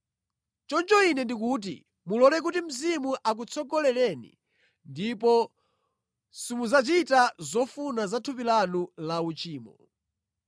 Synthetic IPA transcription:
t͡ʃɔnt͡ʃɔinɛndik̬uːt̬ḭ | mulɔlɛk̬utim̩zimuʔak̬ut͡sʰɔɡɔlɛlɛnḭ | ndipɔ | simuzat͡ʃitazɔfunazatʰupilanulaut͡ʃiːmɔ̰

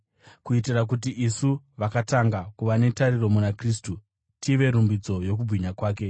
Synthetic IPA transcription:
kuitirak̬ut̬iʔisu | ʋakataŋɡakuʋane̞tariro̞munakriːs̬tu | tʰiʋe̞ɾumbid͡zo̞jo̞k̬ubʱiɲakwaːke̞

